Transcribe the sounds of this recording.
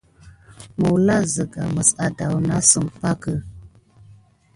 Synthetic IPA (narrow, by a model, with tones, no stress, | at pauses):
mə˨wla˦zə˨ɡa̰˨mə˨sa˨da˨wna˦sə˨mpa˦kə˦